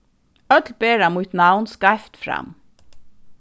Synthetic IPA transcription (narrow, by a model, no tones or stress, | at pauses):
œt̪lbeːɹɑmuːt̪nɑʊnskɑɪft̪fɾɑ̰m